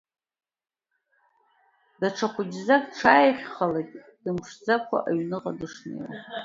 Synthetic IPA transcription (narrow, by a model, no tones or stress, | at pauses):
d̥aʈ͡ʂʰaχʷʊd͡ʒzakʼʈ͡ʂʰaːjχʲχalajtʼ | d̥ɨmʂd͡zakʷʰa̰ʔaɥnɨqʼadɨʂnḛwa̰